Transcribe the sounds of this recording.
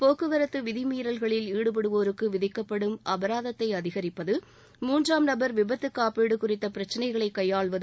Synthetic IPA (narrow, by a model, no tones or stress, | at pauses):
poːkːɯʋɐɾɐt̪ːɯʋɪðɪmiːɾɐlɣɐɭɪliːɽɯp̬ɐɽɯʋoːɾɯkːɯʋɪðɪkːɐpːɐɽɯmʔɐbɐɾaːðɐt̪ːɐɪɐðɪɣɐɾɪpːɐðɯ | muːndraːmnɐbɐɾʋɪbɐt̪ːɯkːaːpeːɽɯkʊrɪt̪ːɐpɪɾɐt͡ʃːɐnɐɪɣɐɭɐɪkːɐjːaːɭʋɐð